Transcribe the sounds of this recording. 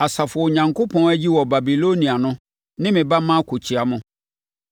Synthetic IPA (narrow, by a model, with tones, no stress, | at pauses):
a˨sa˨fʊ˨ɔ˨o˨ɲã˨ŋkʰo˦pʰɔ̃˦n˦æ˦d͡ʑi˦wɔ˨ba˨bi˨lo˦nĩ˨a˨nʊ̃˦ | nɪ̃˦mɪ̃˨ba˦mã˦kʰo˨t͡ɕʰi˨a˨mʊ̃˦